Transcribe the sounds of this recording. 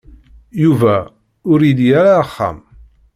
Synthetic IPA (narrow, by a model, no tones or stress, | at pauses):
juvæ | ʊɾid̪jaɾaχːa̰m